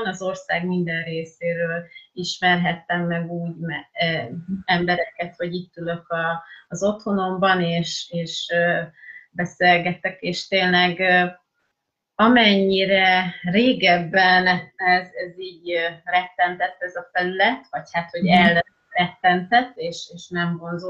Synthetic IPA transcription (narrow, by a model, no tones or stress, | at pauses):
nɒzo̞rsaːɡmind̪ɛnreːseːɾøːliʃmɛrɦɛt̪ːɛmːɛɡuːɟmɛ | ɛmbɛɾɛkɛt̪ho̞ɟit̪ːylø̞kɒːzo̞t̪ho̞no̞mbɒneːʃeːʃ | bɛseːlɡɛt̪ːɛkeːʃt̪eːnlɛɡ | ɒmɛɲːiɾɛreːɡɛbːɛnɛɛzɛziːɟrɛk̚t̪ːɛnt̪ɛt̪ːɛzɒfɛlylɛt̪ʋɒchaːt̪ho̞ɟɛl | rɛk̚t̪ːɛnt̪ɛt̪ːeːʃeːʃnɛmvo̞nzo